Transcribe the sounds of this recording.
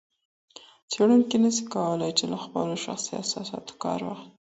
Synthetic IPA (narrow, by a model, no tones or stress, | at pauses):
t͡seɽuŋkinəsi̥kawəlajt͡ʃelaxpə̰loʃa̰xsia̰sasɑ̰t̪o̥kɑ̰ɾwɑ̰xt̪